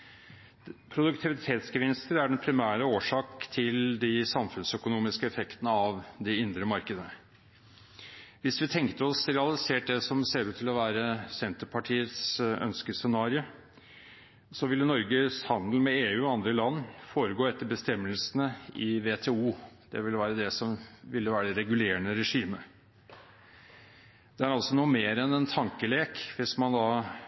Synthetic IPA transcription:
pʰɾʊd̪ʉkt̪ʰɪʋɪt̪ʰeːt̪sɡəʋɪnst̪əɾæɖɛnpʰɾɪmæːɾəoːʂɑːkt̪ʰɪld̪ɪsɑmfʉnsœkʊnuːmɪskəɛfɛkt̪ənəɑʋd̪ɛɪnd̪ɾəmɑɾkəd̪ənə | ʋɪsʋɪt̪ʰɛŋkt̪əɔsɾɛɑlɪseːʈ̚d̪ɛsɔmseːɾʉːt̪ʰːɪlɔʋæːɾəsɛnt̪əpʰɑʈʰiːət̪sœ̰nskəsɛnɑːɾɪə | sɔʋɪlːənɔɾɡəshɑnd̪l̩mɛeːʉːɔɑnd̪ɾəlɑnːfoːɾəɡoːɛt̪ːəbəst̪ɛmːəlsənəɪʋeːt̪ʰeːuːd̪̥ɛ̰ʋɪlʋæːɾəd̪ɛsɔmʋɪlːəʋæːɾəd̪ɛɾɛɡʉleːəɳəɾɛʂiːmə | d̪̥ɛæɾɑlsɔnuːəmeːɾɛnɛnt̪ʰɑŋkəleːkʋɪsmɑnd̪ɑː

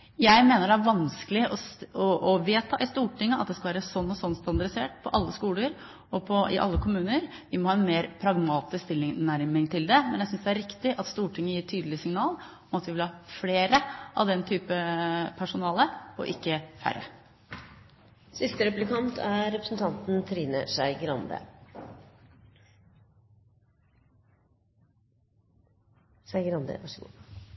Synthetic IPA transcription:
jæɪmeːnəɖɛæɾʋɑnskəlɪʔɔɔʔɔʋeːt̪ʰɑːʔɪst̪uːʈʰɪŋːəʔɑ̰t̪̚d̪ɛskɑlʋæːɾəsɔnːɔsɔnːst̪ɑnd̪ɑɾɪseːʈpʰɔʔɑlːəskuːləɾ | ɔpʰɔɪ̰ʔɑ̰lːəkʰʊmʉːnəɾ | ʋɪmɔhɑːɛnmeːɾpʰɾɑɡmɑːt̪ɪskst̪ɪlːɪnæɾmɪŋt̪ʰɪld̪ɛmɛ̰njæɪsʏnsd̪ɛæɾɪkt̪ɪʔɑt̪st̪uːʈʰɪŋːəjiːt̪ʰyːd̪lɪəsɪŋnɑːl | ɔmɑt̪ʋɪʋɪlhɑːfleːɾəʔɑ̰ʋd̪ɛnt̪ʰyːpəpʰæʂʊnɑːləɔ̰ʔɪkːəfæ̰ɾə̰ | sɪst̪əɾɛplɪkɑnt̪ʰæɾɛpɾəsnt̪ʰɑnt̪n̩t̪ʰɾiːnə̰ʂæɪɡɾɑnd̪ə̰ | ʂæɪɡɾɑnd̪ə̰ʋɑʂəɡṵ

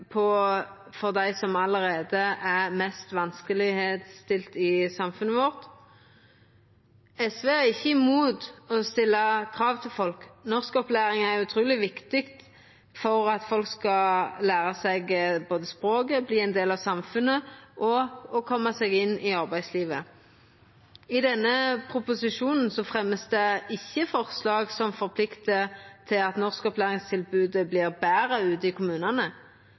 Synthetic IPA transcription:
pʰɔ | fɔʁd̪æɪsɔmɑləʁeːd̪əʔæmɛst̪ʋɑnskəlɪheːd̪st̪ɪlt̪ɪsɑmfʉnəʋɔʁt̪ | ɛsʋeːæʁɪçːəɪmuːd̪ɔst̪ɪlːəkʰʁɑːʋt̪ʰɪlfɔlknɔʁskɔplæːʁɪŋæʁjʉt̪ʰɾuːlɪʋɪkt̪ɪkt̪ | fɔʁɑt̪fɔlkskɑlæːʁəsæɪɡboːd̪əspʁoːɡəbliːɛɪnd̪eːlɑʋsɑmfʉnːəʔɔɔkʰɔmːəsɛɡɪnːɪɑʁbæɪsliːʋə | ɪd̪ɛnːəpʰʁʊpʊsɪʂuːnn̩sɔfʁɛmːəsd̪ɛɪçːəfɔʁslɑːɡsɔmfɔʁpʰlɪkt̪ət̪ʰɪlɑt̪nɔʁskɔplæːʁɪŋst̪ʰɪlbʉːd̪əblɪːʁbæːɾəʉːt̪əɪkʰʊmʉːnɑnə

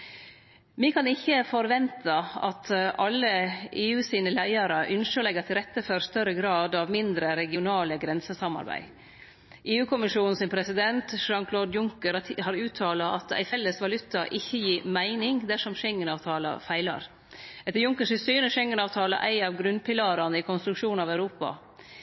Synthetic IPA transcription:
mɪkʰɑnɪçːəfɔɾʋɛnt̪ʰɑɑ̰t̪ʰʔɑlːəʔeːʉːsiːnəlæɪɑɾəʔʏnʂəlɛɡət̪ʰɪlɾɛt̪ːəfɔɾst̪œɾəɡɾɑːd̪ɑʋmɪnd̪ɾəɾɛɡɪʊnɑːləɡɾɛnsəsɑmɑ̰ɾbæ̰ɪ | ʔeːʉːkʰʊmɪʂuːnn̩sɪmpʰɾɛsɪd̪ɛnt̪ʃɑŋkʰloːd̪jʊŋkəɾɑhɑɾʉːt̪ʰɑːlɑʔɑt̪æ̰ɪfɛlːəsʋɑlʉt̪ːɑʔɪçːəjiːɾmæɪnɪŋd̪æʂɔmʃɛŋːənɑːʋt̪ʰɑːlɑ̰fæɪlɑ̰ɾ | ɛt̪ːəɾjʊŋkəʂɪsyːnəʂɛŋːənɑːʋt̪ʰɑːlɑ̰ʔæɪɑʋɡɾʉnpɪlɑːɾɑnəɪkʰɔnst̪ɾʉkʂuːnɑʋæʉɾuːpɑ̰

